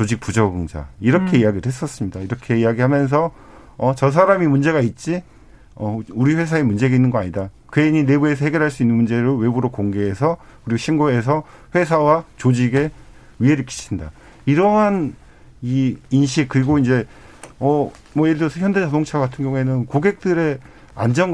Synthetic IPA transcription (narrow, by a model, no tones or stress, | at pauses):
t͡ɕod͡ʑik̚pud͡ʑʌɡɯŋd͡ʑa̰iɾʌkʰe̞ijaɡiɾɯɭɦes͈ʌs͈ɯmɲidaiɾʌkʰe̞ijaɡihamjʌns̬ʰʌ | ʌt͡ɕʌs̬ʰaɾamimund͡ʑe̞ɣait̚t͡ɕ͈i | ʌuɾiɸwe̞sʰaemund͡ʑe̞ɡainːɯnɡʌaɲidakɯeɲine̞bue̞s̬ʰʌhe̞ɡjʌɾɦaɭs͈uinːɯnmund͡ʑe̞ɾowe̞buɾokoŋɡe̞esʰʌkɯɾiɡoɕʰinɡoe̞s̬ʰʌ | ɸwe̞s̬ʰawat͡ɕod͡ʑiɡe̞ | ɥiɦeɾɯɭk͈ʰi̥ɕʰinda | iɾʌɦan | iinɕ̬ʰik̚kɯɾiɡoind͡ʑe̞ | ʌ | mwʌjeɭdʌsʰʌçjʌnde̞t͡ɕʌdoŋt͡ɕʰaɡatʰɯnŋɡjʌŋue̞nɯnkoɡe̞k̚t͈ɯɾe̞ | a̰nd͡ʑʌnɡ